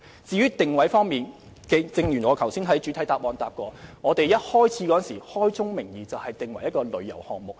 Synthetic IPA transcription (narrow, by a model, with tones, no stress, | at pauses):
t͡siː˨˧ɥyː˥t̪ɪ˨ŋwɐ˨˥jfɔː˥ŋmiː˨n | kɛ˧t͡sɪ˧ŋjyː˨˩nwɔː˨˧kʰɐ˨˩wsiː˥nɦɐ˨˥jt͡ʃy˨˥t̪ʰɐ˨˥jt̪aː˨p̚ʔɔː˨˧nt̪aː˨p̚kɔː˧ŋɔː˨˧t̪e˨jjɐ˥t̚hɔː˥jt͡sʰiː˨˥kɔ˨˥˨nsiː˨˩hɔː˥jt͡sʊ˥ŋmɪ˨˩ŋjiː˨t͡sɐ˨whɐ˨jt̪ɪ˨ŋwɐ˨˩jɐ˥t̚kɔː˧lɵ˨˧ɥjɐ̰˨˩whɔ̰ː˨ŋ̚mʊ˨k̚